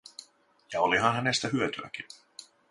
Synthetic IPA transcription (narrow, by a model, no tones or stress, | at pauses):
jɑoliɦɑnhæne̞st̪æɦyøt̪yæ̰kin